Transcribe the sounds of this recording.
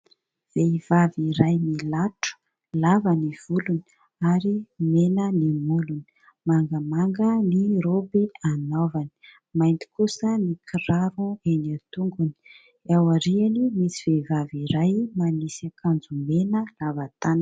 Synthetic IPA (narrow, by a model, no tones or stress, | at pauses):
v̥eiv̥aviɾajmilaʈ͡ʂu̥ | lavaniv̥uluni̥ | aɾimenənimuluni̥ | maŋɡəmaŋɡəniɾobianovani̥ | majnt̪i̥kusənikʰiɾaɾuenat̪uŋɡuni̥ | awaɾianimisiv̥eivaviɾajmanisakʰand͡zumenəlavat̪anə